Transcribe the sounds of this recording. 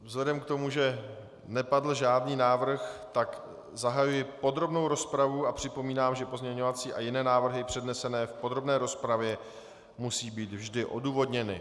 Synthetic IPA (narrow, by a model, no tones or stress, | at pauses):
vzlɛdɛmkt̪o̞muʒɛ | nɛpadl̩ʒaːdniːnaːvr̩xt̪ak | zaɦajujɪpo̞d̪ɾo̞bno̞wɾo̞spɾavuapr̝̥ɪpo̞miːnaːmʒɛpozɲɛɲo̞vat͡siːʔajɪnɛːnaːvr̩ɦɪpr̥ɛdnɛsɛnɛːfpo̞d̪ɾo̞bnɛːɾo̞spɾavjɛ | musiːbiːt̪vʒdɪʔo̞̰duːvo̞dɲɛnɪ̰